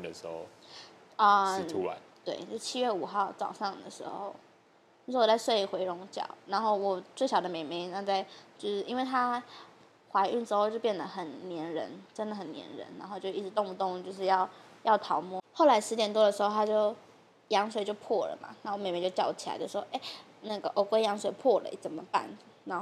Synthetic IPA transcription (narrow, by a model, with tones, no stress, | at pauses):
d̪ə˩ʂɻ̩˧˥xo̰˥˧ʊ | ə˥˧u˥a˧˦t̪we˥˩ɪt͡ɕjo˥˧ʊʂ̩˥˧t͡ɕʰi˥ɥɛ˥˩u˨˩xɑ˥˩ʊt͡sɑ̰˨˩ʊʂɑ˥˩ŋd̪ə˩ʂɻ̩˧˥xo̰˥˧ʊ | t͡ɕt͡ɕʊʂ̩˥˩wt͡sa˥˧ɪswe˥˩ɪ˩xwe˧˥ɪɻʊ˧˥ŋt͡ɕjɑ̰˨˩ʊna˧˥nxo˥˩ʊwɔ˨˩t͡swe˥˩ɪɕjɑ˨˩ʊd̪ə˦me˨˩ɪme˧˥ɪna˥˧t͡sa˥˧ɪt͡ɕjo˥˧ʊʂɻ̩˥˩ʔi˥nwe˥˩ɪt̪ʰa˥ | xwa˧˥ɪy˥˩nʈ͡ʂɻ̩˥xo˥˧t͡ɕjo˥˧ʊpjɛ˥˩nd̪ə˩xə˨˩nnjɛ˧˥nɻə̰˧˥nʈ͡ʂə˥nd̪ə˨˩xə˨˩njɛ̰˧˥nɻə̰˧˥nna˧˥nxo˥˧ʊt͡ɕjo˥˧ʊi˥˩ʈ͡ʂɻ̩˧˥t̪ʊ˥˧ŋu˧˩t̪ʊ˥˧ŋ˧˩t͡ɕjo˥˧ʊʂ̬ɻ̩˥˧jɑ˥˧ʊjɑ˥˩ʊt̪ʰɑ˧˥ʊmwɔ˥˩xo˥˩ʊla˧˥ɪʂɻ̩˧˥t̪jɛ˨˩nt̪wɔ˥d̪ə˨ʂɻ̩˧˥xo˥˧ʊt̪ʰa˥t͡ɕjo˥˩ʊ | jɑ˧˥ŋswe˨˩ɪt͡ɕjo˥˧ʊpʰwɔ˥˩lə̰˩ma̰˩na˥˧˩m˨˩me˧˥ɪt͡ɕo˥˧t͡ɕjɑ̰˥˩t͡ɕʰi˨˩a̰˧˥t͡ɕo˥˧˩ʂ̩˥˧˥xʔe˥˩ɪ | na˥˩ɡə˩ʔo˧˥ʊkwe˥ɪjɑ˧˥ŋswe˨˩ɪpʰwɔ˥˩lə̰˩˥t͡sə˨˩nmə˦pa̰˥˩n | na˧˥n